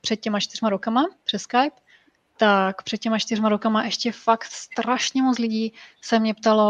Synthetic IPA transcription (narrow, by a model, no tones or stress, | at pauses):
pr̥ɛt̪̚cɛmat͡ʃt̪ɪrmaɾokamapr̝̥ɛskajp | t̪akpr̥ɛt̪̚cɛmat͡ʃt̪ɪrmaɾokamaʔɛʃcɛfakt̪st̪ɾaʃɲɛmot͡slɪɟiːsɛmɲɛpt̪alo̞